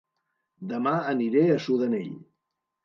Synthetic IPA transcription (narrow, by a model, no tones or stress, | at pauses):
d̪əmaəniɾeəsuðənḛʎ